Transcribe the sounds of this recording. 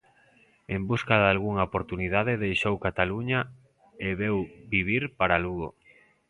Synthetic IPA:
embuskaðalɣuŋaopoɾt̪uniðaðeðejʃowkat̪aluɲa | eβewbiβ̞iɾpaɾaluɣo̰

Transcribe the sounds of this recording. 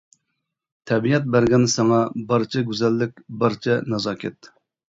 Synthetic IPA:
t̪ʰɛbiɛt̪̬̚bæɾɡʲɛnsɑŋɑbɑɾt͡ʃʰɛɡʲyzɛlːɪk̚ʲbɑɾt͡ʃʰɛnɑzɑːkʲʰɛt̪

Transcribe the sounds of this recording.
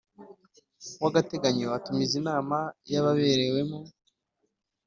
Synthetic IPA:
waɡate̞ɡaɲowatumizinaːmajaβaβe̞ɾe̞we̞mo

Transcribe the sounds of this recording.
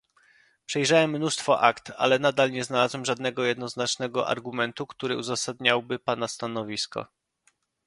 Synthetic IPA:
pʂɛjʐawɛmːnust̪fɔʔakt̪a̰lɛnad̪alɲɛznalazwɛmʐad̪nɛɡɔjɛd̪nɔznat͡ʂnɛɡɔʔa̰ɾɡumɛnt̪ukt̪uɾɘuzasad̪ɲawbɘpanast̪anɔvʲiskɔ̰

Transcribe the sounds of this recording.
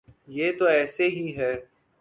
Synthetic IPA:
jeːt̪oɛːseɦiɦɛː

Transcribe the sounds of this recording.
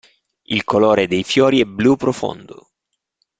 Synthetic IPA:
ilkolɔːɾed̪ejfjɔːɾiɛblupːɾofo̰nd̪o̰

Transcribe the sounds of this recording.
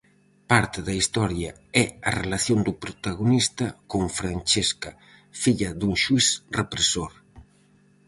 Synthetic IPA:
paɾt̪eðɐist̪ɔɾja | ɛɐrelaθjond̪upɾot̪aɣonist̪ɐkoŋfɾant͡ʃeskɐ | fiʎɐðuŋʃuiθrepɾesoɾ

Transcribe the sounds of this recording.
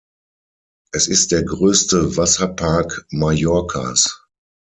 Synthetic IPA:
ʔɛsɪst̚d̥eːɐɡʁøːstəvasɐpʰaɐkmajɔɐkʰa̰s

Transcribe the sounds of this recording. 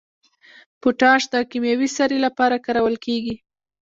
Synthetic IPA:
pʊʈɑʃd̪əkimjawisaɾelapɑɾakaɾawəlkeɡi

